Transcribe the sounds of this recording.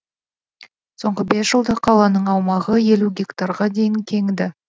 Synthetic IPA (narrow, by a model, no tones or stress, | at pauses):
so̞ɴʁəbesʒ̥əlˠd̪ɑqʰɑlˠɑnəɴɑwmɑʁəje̞luɡʲekt̪aɾʁɑd̪e̞jɪŋkʲʰe̞ŋd̪ɪ